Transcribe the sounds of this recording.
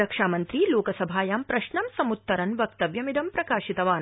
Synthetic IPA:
ɾɐkʂaːmɐnt̪ɾiloːkɐsɐbʱaːjaːmpɾɐʃɳɐmsɐmut̪ːɐɾɐnʋɐk̚t̪ɐʋjɐmid̪ɐmpɾɐkaːʃit̪ɐʋaːn

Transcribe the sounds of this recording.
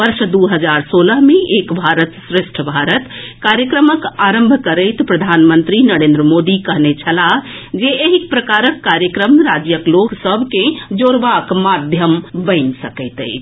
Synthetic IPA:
ʋəɾʃd̪uɦəd͡ʒaɾsoləɦmeʔekbʱaɾət̪sɾeʃʈʰəbʱaɾət̪kaɾjəkɾəməkaɾəmbʱkəɾəɪt̪pɾəd̪ʱanmənt̪ɾinəɾend̪ɾəmod̪ikəɦnet͡ʃʰəla | d͡ʒeeɦikpɾəkaɾəkːaɾjəkɾəmɾad͡ʒjəkloksəbʱkẽd͡ʒoɾʋakmad̪ʱjəmbəɪnsəkəjt̪ə̰jʰ

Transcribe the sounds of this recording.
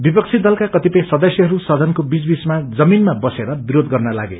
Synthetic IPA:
bipʌk̚t͡sʰid̪ʌlkakʌt̪ipʌj̃sʌd̪ʌsjʌɦʌɾusʌd̪ʱʌnkobit͡sbismad͡zʌminmabʌseɾʌbiɾod̪ɡʌrnʌla̰ɡḛ

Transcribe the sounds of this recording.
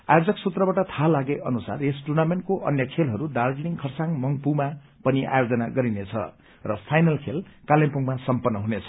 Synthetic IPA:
a̰jod͡zʌksut̪rʌbaʈʌt̪ʰalaɡeʔʌnusa̰resʈurnamenʈ̚koʔʌ̰njʌkʰelɦʌɾuɖarɡniŋkʰʌrsaŋmʌŋpuma | pʌniʔa̰jod͡zʌnaɡʌɾinet͡sʰʌ̰ | rʌpʰajnʌlkʰelkalẽmpuŋmasʌmpʌnːʌɦunet͡sʰʌ̥

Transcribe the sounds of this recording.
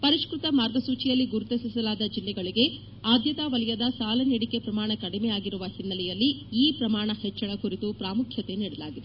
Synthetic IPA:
pɐɾiʂkɾut̪ɐmaːɾɡɐsuːt͡ʃijɐlːiɡuɾut̪esisɐlaːd̪ɐd͡ʒilːɛɡɐɭiɡe̞ | aːd̪ʱjɐt̪aʋɐlɐjɐd̪ɐsaːlɐniɽike̞pɾɐmaːɳɐkɐɽimɛjaːɡiɾuʋɐsinːɐlɛjɐlːiiːpɾɐmaːɳɐhɛt͡ʃːɐɭɐkuɾit̪upɾaːmukʰjɐt̪e̞niːɽɐlaːɡid̪e

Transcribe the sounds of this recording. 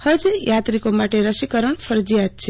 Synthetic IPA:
həd͡ʒjat̪ɾikomaʈeɾəʃikəɾəɳfʰəɾd͡ʒijat̪̚t͡ʃʰe

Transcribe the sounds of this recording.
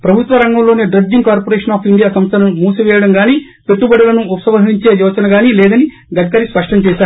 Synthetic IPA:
pɾɐbʱut̪ʋɐɾɐŋɡɐmlo̞ːneːɖɾɐɡ̚d͡ʒiŋkaːɾpoɾeːʂɐnaːpʰiɳɖijaːsɐmst̪ʰɐnɐmmuːsuʋɛːjɐɽɐmɡaːniː | pet̪ːubɐɽɐlɐnuupɐsɐʋɐɦiɲt͡ʃeːjɔːt͡ʃɐnɐɡaːnilɛːd̪ɐni | d̪ɐɡːɐɾispɐʂʈɐmt͡ʃɛːʃaːɾu

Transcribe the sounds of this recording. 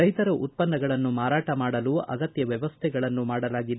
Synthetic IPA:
ɐjt̪ɐɾɐʔut̪̚pɐnːɐɡɐɭɐnːumaːɾaːʈɐmaːɽɐluɐ̰ɡɐt̪jɐʋjɛʋɐst̪ʰɛɡɐɭɐnːumaːɽɐlaːɡid̪

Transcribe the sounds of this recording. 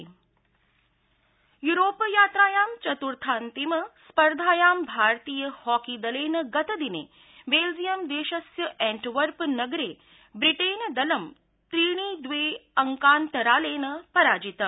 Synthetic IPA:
juɾoːpjaːt̪ɾaːjaːmt͡ʃɐt̪uɾt̪ʰaːnt̪imɐspɐɾd̪ʱaːjaːmbʱaːɾt̪iːjɐhɔːkid̪ɐleːnɐɡɐt̪ɐd̪inḛː | beːld͡ʒijɐmd̪eːʃɐsjɐʔɛ̃ːɳʈʋɐɾpnɐɡɾeː | bɾiʈeːnd̪ɐlɐm | t̪ɾiːɽ̃iːd̪ʋeːɐŋkaːnt̪ɐɾaːleːnɐpɐɾaːd͡ʒit̪ɐ

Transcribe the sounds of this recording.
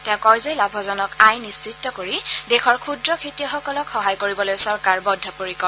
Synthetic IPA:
tɛ̃kɔjzejlabʱɔzɔnɔkajnisːitːɔkoɹidexʰɔɹkʰudɹɔkʰitijɔxɔkɔlɔkxɔɦajkoɹibɔlojsɔɹkaɹbɔdʱːɔpoɹikɔ

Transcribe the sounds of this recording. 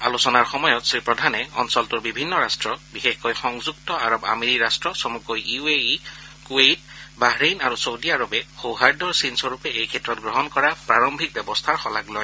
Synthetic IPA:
alusɔnaɹxɔmɔjɔtsɹipɹɔdʱanɛɔ̰nsɔltuɹbibʱinːɔɹastɹɔbixexkɔjxɔŋzuktɔaɹɔba̰meɹiɹastɹɔsɔmukɔjiuei | kuejtbaɦɹenaɹusowdiaɹɔbɛxowɦaɹdɔɹsinsɔɹupɛejkʰɛtɹɔt̚ɡɹɔɦɔnkɔɹapɹaɹɔmbʱik̚bɛbɔstʰaɹxɔlaɡlɔj

